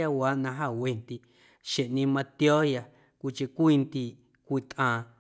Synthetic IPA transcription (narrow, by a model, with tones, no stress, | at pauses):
a˧wa˨˦ʔnã˧ɦa˦˨we˧nt̪i˧ | ʃe˨ʔnĩ˧mã˧t̪jo˦hja˧ | kʷi˧t͡ʃe˧kʷi˦˧nt̪i˧ | kʷi˧˨t̪ʔãː˧